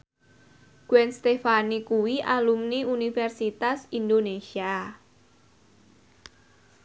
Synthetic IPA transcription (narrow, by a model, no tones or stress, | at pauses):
ɡ̥wɛnst̪efanikuwiʔalumniunifɛrsit̪asind̪onesia